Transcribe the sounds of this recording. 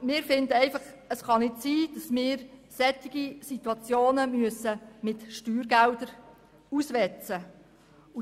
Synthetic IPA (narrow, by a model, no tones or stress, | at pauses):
mɪːɾfɪndəɛɪfɑχəsχɑnɪtsiːd̥ɑsmɪːɾsɛt̪ːiɡ̥isit̪uɑt͡sjoːnəmyəsəmɪtʃtyːɾɡæld̥əɾ | usʋɛt͡sə | u